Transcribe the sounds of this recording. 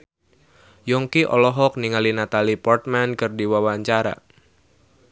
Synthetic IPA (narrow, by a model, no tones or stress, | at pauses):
jɔŋkiʔɔ̰lɔɦɔk̚niŋalinat̪alipɔrt̪̚mankɨrdiwawaɲt͡ʃaɾa̰